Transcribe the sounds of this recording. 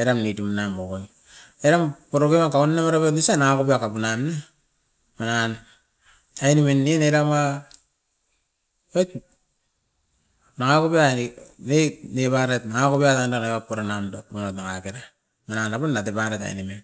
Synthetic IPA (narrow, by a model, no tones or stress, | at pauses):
eɾamnitumnamokoŋ | eɾampoɾokemakaunnamaɾapetnisanaŋakopiakapunamna | manan | ajnimenːieneɾama | ot | naŋakopianenepaɾetnaŋakopiatandanaβapoɾanamdot̚monotnaŋakeɾa | mananaponnatepaɾeta̰j̰nimen